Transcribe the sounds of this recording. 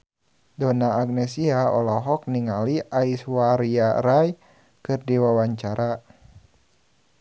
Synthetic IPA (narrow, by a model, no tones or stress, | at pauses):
dɔnaːɡ̚nɛsiaɔ̰lɔɦɔk̚niŋaliʔaiswaɾiaɾaj | kɨrdiwawaɲt͡ʃaɾa